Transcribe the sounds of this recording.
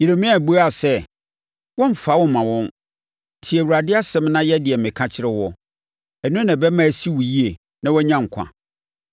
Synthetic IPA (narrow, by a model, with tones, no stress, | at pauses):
je˨ɾe˨mĩ˦a˨bu˦a˨sɛ˦ | wɔ̃˦m̩˨fa˦wɔ̃˦mã˨wɔ̃˦n˨ | tʰi˨ɛ˨wu˨ɾa˨dɪ˦a˦sɛ̃˦mnã˦jɛ˦dɪ˨ɛ˨mɪ̃˨kʰã˦t͡ɕʰɪ˦ɾɪ˦wɔ˦ | ɛ˨nʊ̃˦nã˨bɛ˦mã˦˨si˦wu˨ji˦e˨ | nã˦wɔ˦ɲã˦ŋ̩˨kʷʰã̰˨